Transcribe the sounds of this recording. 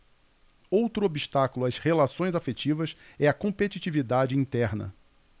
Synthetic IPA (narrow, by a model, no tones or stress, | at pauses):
owt̪ɾʊobiʃt̪akʊlʊashelasõj̃zafet͡ʃivɐsɛɐkõmpet͡ʃit͡ʃivid̪ad͡ʒɪĩt̪ɛɾnɐ̰